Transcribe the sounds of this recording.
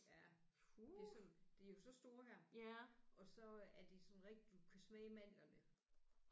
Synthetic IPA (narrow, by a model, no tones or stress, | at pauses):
jjæ | ude̝sɒnd̥e̝æjo̝sɒ̽sd̥o̝ːɐɦæɐ̰ʔɒ̽sɒ̽æɐd̥esɒ̽nʁɛɡ̥̚d̥id̥ukʰæsmeːmæn̰lɐd̥e